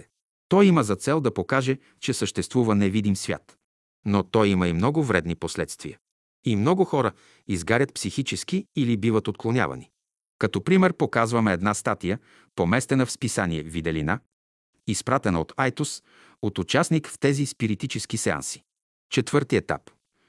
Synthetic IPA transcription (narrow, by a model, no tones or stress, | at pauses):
t̪ɔjiməzɐt̪sɛlˠd̪ɐpokaʒɛ | t͡ʃɛsəʃt̪ɛst̪vuvənɛvid̪imsvʲja̰t̪ | not̪ɔjiməimnɔɡʊvɾɛd̪niposlɛt̪st̪viə | imnɔɡʊxɔɾə | izɡaɾʲət̪̚psixit͡ʃɛskiːlibivət̪ot̪̚klˠonʲa̰vɐ̰ni | kɐt̪ɔpɾimɛɾpokazvɐmɛːd̪nast̪at̪ijə | pomɛst̪ɛnɐfspisaniɛvid̪ɛlina | ispɾat̪ɛnɐot̪ʰajt̪us | ot̪ʊt͡ʃasnikft̪ɛzispiɾit̪it͡ʃɛsk̟isɛa̰nsi̥ | t͡ʃɛt̪vɤɾt̪iɛt̪a̰p